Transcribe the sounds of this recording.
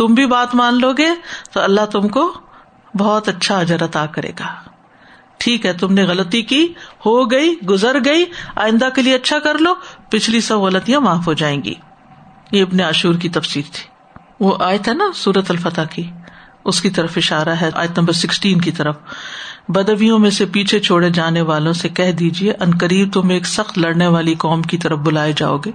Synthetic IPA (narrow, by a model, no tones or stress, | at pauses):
t̪ʊmbʱibaːt̪mãːnloːɡeːt̪oɐlːaɦt̪ʊmko | bɔːt̪ɐtːʃʰaɐd͡ʒəɾɐt̪aːkɐɾḛːɡaː | ʈʰiːkɦɛt̪ʊmneɣɐlət̪ikihoɡɐiɡʊzəɾɡɐia̰ːɪ̃nd̪akelieɐtːʃʰakɐɾloːpɪt͡ʃʰlisɐbɣɐlət̪ijãmaːfɦod͡ʒaːẽːɡḭː | jeɪbneaːʃuːɾkit̪ɐfsiːɾt̪ʰi̥ː | ʋoʔaːjət̪ɦɛnasuːɾət̪ɐlfɐt̪aki | ʊskit̪ɐɾəfɪʃaːɾaɦɛʔa̰ːjət̪nɐ̃mbəɾsɪksʈiːnkit̪ɐɾəf | bɐd̪ʋijõmẽsepiːt͡ʃʰet͡ʃʰoːɽed͡ʒaːneʋaːlõsekɛɦd̪iːd͡ʒieʔɐnkəɾiːb̚t̪ʊmeːksɐxt̪lɐɽneʋaːlikɔːmkit̪ɐɾəfbʊlaːed͡ʒa̰ːo̰ːɡeː